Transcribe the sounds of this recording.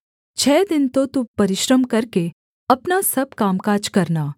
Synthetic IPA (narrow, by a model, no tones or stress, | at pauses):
t͡ʃʰɛːd̪ɪnt̪ot̪upɐɾɪʃɾəmkɐɾke | ɐpnasɐb̚kaːmkaːd͡ʒkɐɾnaː